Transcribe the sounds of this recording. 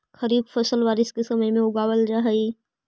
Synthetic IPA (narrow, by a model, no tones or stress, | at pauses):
xɐɾiːbfɐsəlʋaːɾɪskesɐməjmẽʊɡaːwəld͡ʒaɦɐi